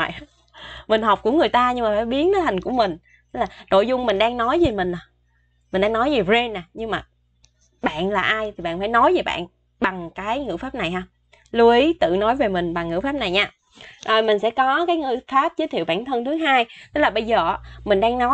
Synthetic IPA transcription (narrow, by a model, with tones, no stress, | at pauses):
j | mï˨˩ŋ̟ɦɔ˨˩wk͡p̚ku˧˩ŋɨ˨˩əjt̪aː˧ɲɨ˧ŋmaː˨˩faː˧˩jɓi˨˦ənɗəː˨˦jhʰa˨˩ŋ̟ku˧˩əmï˨˩ŋ̟ | t̪ə˨˦˥laː˨˩ɗo̰˧˨jzʊ˧ŋ͡mmï˨˩ŋ̟ɗaː˧ŋnɔ˨˦jzi˨˩mï˨˩ŋ̟ʔəː˨˩ | mi̟˨˩ɗaː˧ŋnɔ˨˦jzi˨˩ze˧nːaː˨˩ɲɨ˧ŋmaː˨˩ | ɓa̰ː˧˨nlaː˨˩ʔaː˧jt̪ʰi˨˩ɓa̰ː˧˨nfaː˧˩jnɔ˨˦jve˨˩ɓa̰ː˧˨n | ɓa˨˩ŋkaː˨˦jŋɨ̰˧˥faː˦˥p̚na˨˩jɦaː˧w | lu˧əʔi˨˦t̪ɨ̰˧˨nɔ˨˦jve˨˩mï˨˩ŋ̟ɓa˨˩ŋːɨ̰˧˥faː˦˥p̚na˨˩jɲaː˧ | ʔəː˨˩mï˨˩ŋ̟sɛ̰˧˥kɔ˨˦kaː˨˦jŋɨ̰˧˩faː˦˥p̚zə˨˦jt̪ʰi˧˨əwɓaː˧˩nt̪ʰə˧nt̪ʰɨ˨˦ŋɦaː˧jt̪ə˦˥laː˨˩ɓə˧jzəː˨˩˧mï˨˩ŋ̟ɗaː˧ŋnɔ˨˦